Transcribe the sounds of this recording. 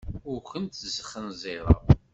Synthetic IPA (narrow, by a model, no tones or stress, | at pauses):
ʊɾkʷənt̪zəχːənzˤeɾˤə̰